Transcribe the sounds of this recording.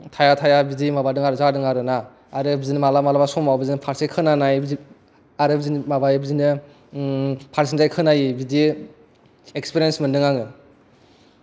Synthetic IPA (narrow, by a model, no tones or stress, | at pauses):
tʰajatʰajabidimabadɯŋaɾɯzadɯŋaɾɯnaː | ɾɯbizinɯmalamalabasɔmawbizinɯpʰaɾsekʰɯnanaji | aɾɯbizinmabajbzinɯ | pʰaɾsinzajkʰɯnajibidi | ekspiɾiensmɯndɯŋaŋɯ